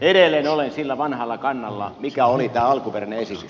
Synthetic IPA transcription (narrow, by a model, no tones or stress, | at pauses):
eɾelːˑeːnolensilːæʋɑnhɑlːɑkɑnːɑlːɑ̰mikæolit̪æːɑlkuperæneesit̪ys